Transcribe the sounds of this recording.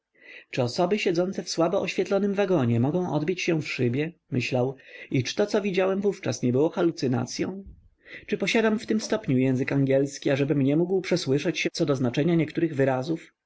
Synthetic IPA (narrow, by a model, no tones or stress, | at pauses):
t͡ʂɘɔsɔbɘɕɛd̪zɔnt̪sɛfswabɔʔɔɕfʲjɛt̪lɔnɘmvaɡɔɲɛmɔɡɔ̃w̃ʔɔ̰d̪bʲit͡ɕɕɛ̃fʂɘbʲjɛmɘɕlawit͡ʂɘ̥t̪ɔt̪sɔvʲid͡ʑawɛmvuft͡ʂasɲɛbɘwɔxalut̪sɘna̰t̪sʲjɔ̰̃w̃ | t͡ʂɘpɔɕad̪amft̪ɘmst̪ɔpɲujɛ̃w̃zɘkaŋɡʲɛlskʲiaʐɛbɘmɲɛmuɡwpʂɛswɘʂɛt͡ɕɕɛt̪sɔd̪ɔznat͡ʂɛɲaɲɛkt̪uɾɘɣvɘɾazuf